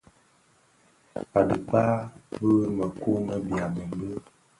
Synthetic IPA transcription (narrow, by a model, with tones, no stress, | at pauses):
pa˨dɨ˨k͡pa˦bə˦ɣmə˨ku˦mə˦bja˨mə˨m˦bə˦